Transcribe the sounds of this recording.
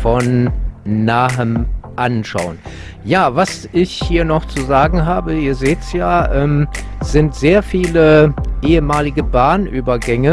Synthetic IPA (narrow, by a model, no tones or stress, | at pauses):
fɔnː | aːhəmʔanʃa̰ʊən | jaːvasʔɪçhiːɐnɔχt͡suzaːɡŋ̩ɦaːbəiːɐzeːtsjaːʔɛːmz̥ɪntz̥eːɐfiːləʔeːəmaːlɪɡəbaːnʔyːbɐɡɛŋə